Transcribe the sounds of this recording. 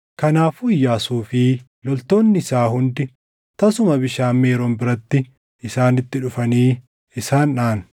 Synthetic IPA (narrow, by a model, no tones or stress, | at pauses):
kɐnaːfʊjːaːsuːfɪ | lɔlt̪o̞ːnːɪɪsaːɦʊnd̪ɪ | t̪ɐsʊmɐbɪʃaːmːeːɾombɪɾɐt̪ːɪ | ɪsaːnɪt̪ːɪᶑʊfɐniː | ɪsaːnᶑaːn̥